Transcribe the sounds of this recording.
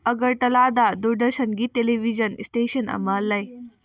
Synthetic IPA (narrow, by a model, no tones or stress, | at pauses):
əɡəɾʈɐlaːd̪ad̪uɾɖəɾɕənɡieleʋid͡ʑənisʈeɕəna̰maːlːɐj